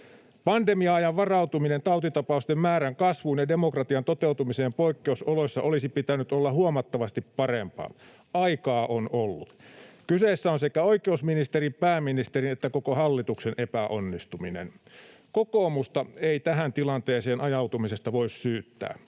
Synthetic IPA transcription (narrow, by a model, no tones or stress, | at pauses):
pɑndemiɑɑjɑʋʋɑrɑut̪uminent̪ɑut̪it̪ɑpɑust̪emmæːɾæŋkɑsʋunjɑdemokrɑt̪iɑnt̪ot̪eut̪umiseːmpoikːeusolosʲːɑ̰ʔolisipit̪ænyt̪olːɑhuomɑt̪ːɑʋɑst̪ippɑrempɑ̰ː | ɑikɑːʔonolːut̪kyseːsːæonsekæoikeusminist̪eripæːmːinist̪erinet̪ːækokohɑlːit̪uksenʔepæʔo̰nːist̪uminḛn | kokoːmust̪ɑeit̪æɦænt̪ilɑnt̪eːseːnʔɑjɑwt̪umisest̪ɑʋoissyːt̪ːæ̰ː